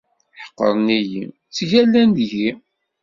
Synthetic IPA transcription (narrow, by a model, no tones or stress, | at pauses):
ħə̥qːə̰ɾˤnijḭm | t͡sːʝælːænd̪ʝi